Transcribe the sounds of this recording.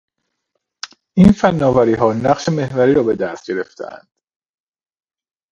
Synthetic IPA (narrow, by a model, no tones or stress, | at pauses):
ʔiːnfænːɒːvæɾiːɦɒːnæɢʃe̞me̞hvæɾiːɾɒːbe̞d̪æst̪̚ɟeɾe̞ft̪ʰḛæ̰nd̪̥